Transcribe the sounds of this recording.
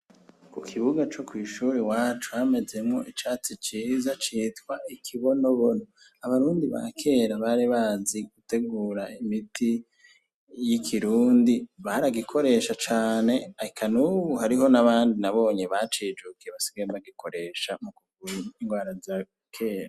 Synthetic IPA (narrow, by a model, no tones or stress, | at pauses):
kukʰiβuɡat͡ʃo̞kwiːʃuːɾewaːt͡ʃuhame̞ze̞mŋo̞ʔit͡ʃaːt͡sit͡ʃiːzat͡ʃiːtkwaʔikʰiβo̞noβono | aβaɾuːndiβa̰kʰe̞ːɾaβaɾiβaːziɡ̥ute̞ɡuːɾaimitʰi | jikʰiɾuːndiβaɾaɡikʰo̞ɾe̞ʃat͡ʃaːne̞ahikʰanuβuhaɾiɦo̞naβaːndinaβo̞ːɲeβat͡ʃiːd͡ʒukieβasi̥ɡaembaɡikʰo̞ɾe̞ʃamukuɡuɾuiŋɡwaːɾaza | kʰe̞ːɾa